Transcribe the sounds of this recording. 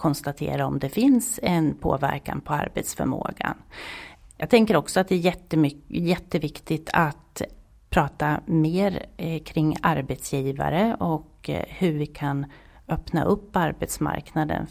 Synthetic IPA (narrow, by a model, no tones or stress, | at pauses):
kʰɔnst̪at̪ʰḛːɾaɔmd̪ɛfɪnsɛnpʰo̰ːvæɾka̰npʰɔa̰ɾbɛt̪sfœɾmo̰ːɡa̰n | jɑːɡt̪ʰɛŋkəɾɔksɔat̪̚d̪ɛæjɛt̪ːəmjɛt̪ːəvɪkt̪ɪt̪ʰat̪ | pʰɾɑːt̪ameːɾkʰɾɪŋːaɾbɛt̪sjiːva̰ɾəɔkhɵɾvɪkʰan | œpna̰ʔɵpːaɾbɛt̪sma̰ɾknad̪ə̰n